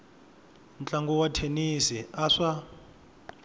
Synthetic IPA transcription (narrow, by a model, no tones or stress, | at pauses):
nt͡ɬaŋɡɔwatʰenisiaʂa